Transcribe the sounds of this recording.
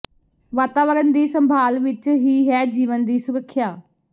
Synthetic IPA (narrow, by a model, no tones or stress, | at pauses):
ʋaːt̪aːʋəɾənd̪iːsəmbʱaːlʋɪt͡ʃɦiːɦɛːd͡ʒiːʋənd̪iːsʊɾəkʰːjaː